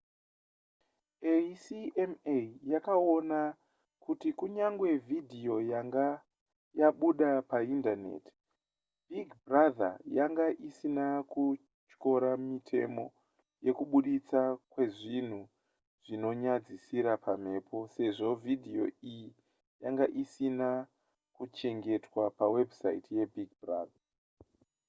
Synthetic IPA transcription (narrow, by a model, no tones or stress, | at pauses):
esiʔemejakao̞na | kutikuɲaŋɡwe̞vʱidʱio̞jaŋɡa | jaɓuɗapaindane̞̰ti̥ | bʱiɡʱbraða̰jaŋɡaʔisinaku | t͡ʃko̞ɾamitʰe̞̰mo̞̰ | je̞kuɓuɗit͡sakwe̞ʐin̤u | ʐ̥ino̞ɲad͡zisiɾapʰam̤e̞ːpʰo̞se̞ʐo̞vʱidʱijo̞̰iji | jaŋɡaʔisina | kut͡ʃe̞ŋɡe̞twapawe̞bʱsa̰itije̞bʱiɡ̚braːða